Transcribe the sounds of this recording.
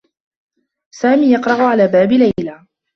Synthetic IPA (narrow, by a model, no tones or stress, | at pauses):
saːmiːjɑqɾˤɑʕʊʕalaːbaːbɪlalaː